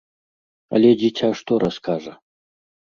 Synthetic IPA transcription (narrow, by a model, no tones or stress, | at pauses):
a̰lʲed͡ʑitʲʰaʂt̪oɾɐskʰaʐɐ